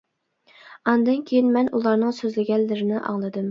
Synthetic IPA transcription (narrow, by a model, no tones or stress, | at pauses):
ɑnd̪ɨnkʲʰejinmɛnʔulˠɑɾnɨŋsøzlɪɡʲɛlːɪɾɪnɪʔɑ̰ŋlˠɨd̪ɨm